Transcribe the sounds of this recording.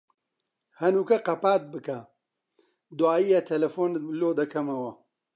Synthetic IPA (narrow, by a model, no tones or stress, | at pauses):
hɐnuːkɐqɐpaːt̪̚bɨkɐ | d̪uaːjijat̪ʰɐlɐfoːnloːd̪ɐkʰɐmɐwɐ